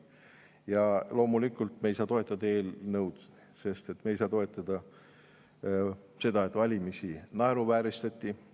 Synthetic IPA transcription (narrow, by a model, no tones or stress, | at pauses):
jɑlo̞ːmulikːˑult̪mejsɑːt̪o̞e̞t̪ˑːɑd̪̥ɑe̞ːlnɤwd̪ | se̞st̪e̞t̪mejsɑːt̪o̞e̞t̪ˑːɑd̪̥ɑ | se̞d̪ɑe̞t̪vɑlʲimisinɑeɾuvæːɾist̪ɑt̪ʲːi